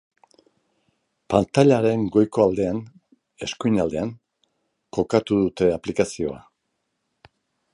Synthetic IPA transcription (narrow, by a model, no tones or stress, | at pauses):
pant̪aʎaɾe̞ŋɡo̞jko̞ald̪e̞an | e̞skujnald̪e̞aŋ | ko̞kat̪uðut̪e̞aplikasio̞a̰